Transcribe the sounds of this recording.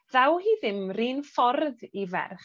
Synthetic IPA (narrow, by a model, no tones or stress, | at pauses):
ðawhiːðɪmriːnfɔɾðivɛ̰rχ